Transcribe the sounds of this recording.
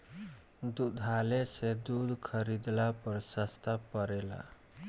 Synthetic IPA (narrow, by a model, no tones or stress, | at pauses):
d̪ud̪ʱalesed̪ud̪ʱkʰəɾid̪lapəɾsəst̪ʰapəɾela̰